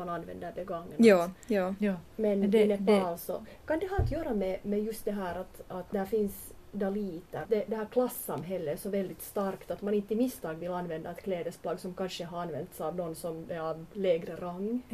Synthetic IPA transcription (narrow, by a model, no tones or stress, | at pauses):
mɑnɑnːʋɛ̰nd̪əɾbɛɡaŋːənː | mɛnd̪ɛnɛɑlsɔkɑnd̪ɛɦɑːɑt̪jøːɾɑmɛmɛjɵst̪̚d̪ɛɦæːɾat̪ɑt̪̚d̪ɛhæːɾfɪnsd̪ɑliːt̪əd̪ɛd̪ɛhæːɾkʰlɑsːɑmɦɛlːəsɔvɛld̪ɪt̪st̪ɑɾkt̪at̪mɑnɪnt̪ːəɪmɪst̪ɑːɡvɪlːɑnːʋɛnd̪aɛt̪kʰleːd̪əsplɑːɡsɔmkɑnʂəɦɑɾɑnːʋɛ̰nt̪sɑʋnɔnːsɔmɛɾɑvlɛːɡɾəɾaŋː